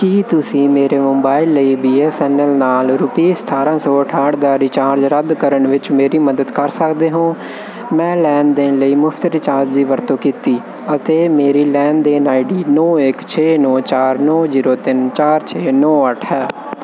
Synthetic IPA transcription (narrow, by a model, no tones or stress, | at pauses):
kiːt̪ʊsĩːmeːɾeːmʊ̃mbaːɪlːəiːbiːeːsɛːnəlnaːlɾʊpiːst̪ʰaːɾãːsɔːəʈʰaːɽd̪aːɾɪt͡ʃaːɾd͡ʒɾəd̪kəɾəɳʋɪt͡ʃmeːɾiːməd̪əd̪kəɾsəkd̪eːɦõː | mɛ̃ːlɛːnd̪ɪnləiːmʊfʰt̪ɾɪt͡ʃaːɾd͡ʒd̪iːʋəɾt̪õːkiːt̪iː | ət̪eːmeːɾiːlɛːnd̪eːnaːiɖiːnɔːɪkt͡ʃʰeːnɔːt͡ʃaːɾnɔːziːɾoːt̪ɪnt͡ʃaːɾt͡ʃʰeːnɔːəʈʰɦɛː